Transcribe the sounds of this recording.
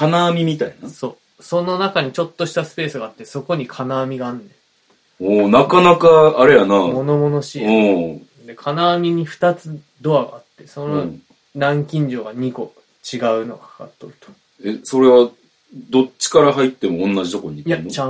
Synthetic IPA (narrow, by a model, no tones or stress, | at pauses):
kanaːmʲimʲit̪ainaso̞ː | so̞no̞nakaɲ̟it͡ɕo̞t̪ːo̞ɕi̥t̪asɨ̥pe̞ːsɨɡaːt̪ːe̞so̞ko̞ɲ̟ikʰanaːmʲiɡaːnːẽ | oːnakanakaːɾejanamo̞no̞mo̞no̞ɕiɯ̃ː | d̪e̞kʰanaːmʲiɲ̟iɸɯ̟̥t̪at͡sɨ | d̪o̞aɡa̰ːt̪ːe̞so̞no | ɾãŋkʲĩɲ̟d͡ʑo̞ːɡaɲ̟iko̞ | t͡ɕiɡaɯ̟no̞̰ɡa̰kʰḁka̰t̪ːoɾɯ̟̥t̪o̥ | eso̞ɾe̞βa | d̪o̞t͡ɕːi̥kaɾaɦait̪ːe̞mõ̞ːnːaʑit̪o̞ko̞ɲ̟itjant͡ɕã